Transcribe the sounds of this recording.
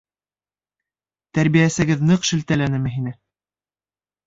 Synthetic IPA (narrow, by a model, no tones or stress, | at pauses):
t̪æɾbijæsɘ̆ɡɘðnɤqʃɘ̆lt̪ælænɘmɘɦinɘ